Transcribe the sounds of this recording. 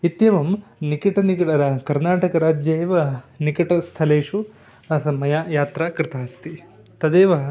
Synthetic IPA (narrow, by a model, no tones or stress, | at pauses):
it̪jɐʋɐmnikiʈɐnikɐʈɐɾɐkɐɾnaːʈɐkɐɾaːd͡ʒjeːʋɐnikɐʈɐst̪ʰɐleːʂu | ɐsɐmɐjaːjaːt̪ɾɐkɾɪt̪aːst̪i | t̪ɐd̪eːʋɐ